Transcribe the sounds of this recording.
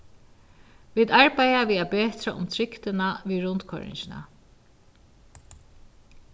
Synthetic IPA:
ʋiːt̪aɹpajaʋiːðapeːt̪ɾaʔʊ̰mt̪ʰɾɪkt̪ɪnaviɾʊnt̪kʰɔ̰ɹɪ̰ɲt͡ʃɪna̰

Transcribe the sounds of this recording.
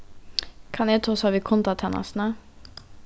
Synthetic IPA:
kʰɑnjɛːt̪ʰɑːshɑːʋiːkʰɔnt̪ɑt̪ʰɛnʔɑ̰snə

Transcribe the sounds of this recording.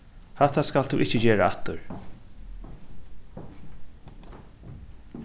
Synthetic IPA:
hat̪askalt̪ʰṵʔɪt͡ɕːəd͡ʑeːɹaat̪ʊɹ

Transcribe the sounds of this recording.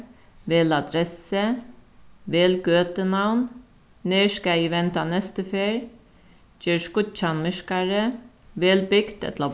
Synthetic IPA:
ʋeːlad̪ɾɛsə | ʋeːlɡøːt̪ənawn | neːɹskaiʋɛnt̪anɛst̪əfeːɹ | t͡ʃeːɹskʊt̪t͡ʃanmɪʂkaɹəʋeːlbʏɡt̪ɛ̰t̪la

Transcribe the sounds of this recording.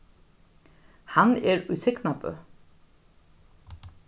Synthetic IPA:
hɑneːɾʉːsɪknɑpə̰

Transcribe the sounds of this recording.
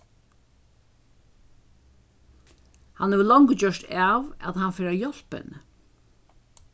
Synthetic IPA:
hanhɛʋəlɔŋkət͡ɕœʂtaːʋæðhanfeːɾajɔl̥pə̰n

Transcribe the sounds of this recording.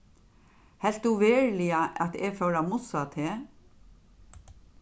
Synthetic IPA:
hɛl̥t̪̚d̪uʋeːɹlɪaʔɑt̪ɛfœwɾamʊsat̪ʰeː

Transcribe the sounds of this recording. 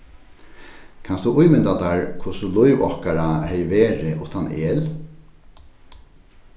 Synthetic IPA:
kʰansd̪ʊʔʊjmɪnt̪at̪aɹkʰʊsʊlʊjʋɔ̰hkaɹahɛjʋeːɾɪʔʊht̪anʔeːl

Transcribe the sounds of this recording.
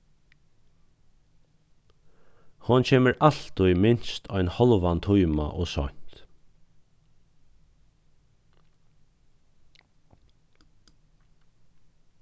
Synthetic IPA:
hʊncʰeːməɾal̥t̪ʊjmɪnst̪ʰɔjnhɔlʋant̪ʰujma̰ʔoːsɔ̰ɲ̥t̪

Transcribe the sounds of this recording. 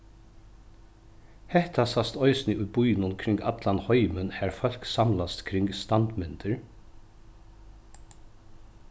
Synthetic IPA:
hɛht̪asast̪ɔjsnɪʔuj̚bujnʊnkʰɾɪŋkat̪lanhɔjmənhæɹfœl̥ksamlast̪kʰɾɪŋkst̪ant̪mɪnt̪əɹ

